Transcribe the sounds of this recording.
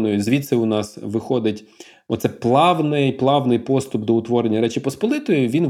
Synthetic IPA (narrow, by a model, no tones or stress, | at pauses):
nɔjʊzʋʲit̪sɛʊnɑsʋɪxɔd̪ɪtʲ | ɔt̪sɛplˠɑʋnɪjplˠɑʋnɪjpɔst̪ʊb̚d̪ɔʊt̪ʋɔɾenʲːɐɾɛt͡ʃipɔspɔlˠɪt̪ɔjʊʋʲin